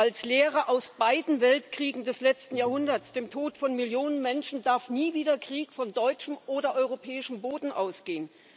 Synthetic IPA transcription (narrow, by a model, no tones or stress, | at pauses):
ʔalsleːʁəʔaʊsb̥aɪdn̩vɛltkʁ̥iːɡŋ̩dɛslɛt͡stn̩jaːɐhʊndɐtsd̥eːmtʰoːtfɔnmɪljoːnənmɛnʃn̩daɐfniːviːdɐkʁ̥iːkfɔndɔʏt͡ʃəmʔoːɾɐʔɔʏʁopʰɛːɪʃəm̩boːdn̩ʔaʊsɡ̥eːən